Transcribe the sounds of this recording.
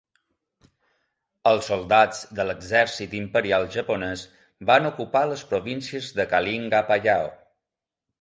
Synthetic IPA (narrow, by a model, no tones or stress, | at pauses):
əlˠsːolˠd̪ad͡zd̪ələɡzɛɾsit̪impəɾialˠʒəponɛz | banukupaləspɾoβinsiəzðəkaliŋɡapaʎao̰